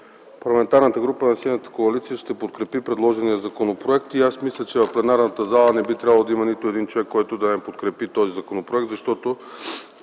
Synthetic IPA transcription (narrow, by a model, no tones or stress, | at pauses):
pɐɾlˠɐmɛnt̪aɾnət̪əɡɾupənɐsinət̪ə̥koɐlit̪siəʃt̪ɛpot̪kɾɛpipɾɛd̪lˠɔʒɛnijəzɐkonopɾoɛkt̪iasmislʲət͡ʃɛvɐfplɛnaɾnət̪əzalˠənɛbit̪ɾʲabəlˠd̪imɐnit̪oɛd̪int͡ʃovɛkːɔjt̪od̪ɐɛpot̪kɾɛpit̪ɔzizɐkonopɾoɛk̚t̪zɐʃt̪ɔt̪o